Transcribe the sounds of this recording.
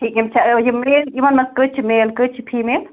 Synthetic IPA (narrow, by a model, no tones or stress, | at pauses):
ʈʰikɦemt͡ʃʰajemelimɐnmɐskət͡ʃʰimeːlkət͡ʃʰipʰimeːl